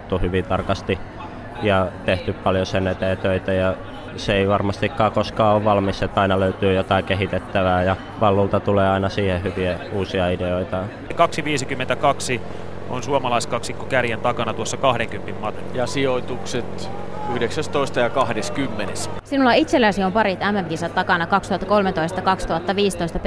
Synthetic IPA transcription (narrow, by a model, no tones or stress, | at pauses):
t̪ːuhyʋint̪ɑrkɑst̪i | jɑt̪eht̪yppɑljosenːet̪æːt̪øit̪æjɑ | seeiʋɑrmɑst̪ikːɑːkoskɑːoʋʋɑlmiset̪ːɑinɑløyt̪yːjot̪ɑikeɦit̪et̪ːæʋæːjɑ | ʋɑlːult̪ɑt̪uleːɑinɑsiːhehyʋiæuːsiɑideoit̪ɑ | kɑksiʋiːsikymːent̪ækɑksi | o̰nsuomɑlɑiskɑksikːokærjænt̪ɑkɑnɑt̪uosːɑkɑhɾeŋkympimmɑt̪jɑsioit̪ukset̪ | yhdeksæst̪oist̪ɑjɑkɑhdeskymːenessinulːɑit̪selːæsiompɑɾit̪æmːæmkiːsɑt̪t̪ɑkɑnɑkɑkst̪uhɑt̪ːɑkolmet̪oist̪ɑkɑkst̪uhɑt̪ːɑʋiːst̪oist̪ɑp